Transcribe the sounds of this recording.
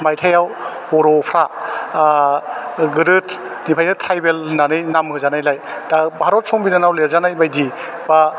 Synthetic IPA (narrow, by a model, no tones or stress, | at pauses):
majtʰajaw | bɔɾɔpʰɾa | ɡɯɾɯt | nipʰajnɯt̪ʰɾajbelnanɯjnamɦɯzanajlajd̥abʱaɾɔt̚sɔŋbinanawleɾzanajbajdi | ba